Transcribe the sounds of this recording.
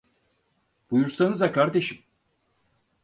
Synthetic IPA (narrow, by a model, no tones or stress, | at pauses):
b̥ujuɾsanɯzakʰaɾd̪eʃim